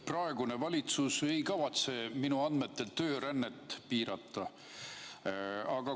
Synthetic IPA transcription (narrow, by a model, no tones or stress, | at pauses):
prɑe̞ɡune̞vɑlʲit̪suse̞jkɑvɑt̪se̞minuɑnd̪me̞t̪ːˑe̞lt̪ø̞ːɾænːet̪ːˑpiːɾɑt̪ˑːɑ | ɑɡ̥ɑ